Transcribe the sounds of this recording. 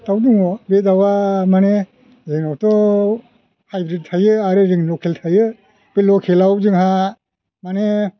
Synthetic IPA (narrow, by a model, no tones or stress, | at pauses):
tawduŋɔbetawamane | zeŋnawtɔ | hajbɾid̚tʰajɯaɾɯɾiŋlɔkʰeltʰajɯ | pelɔkʰelawzɯŋɦa | mane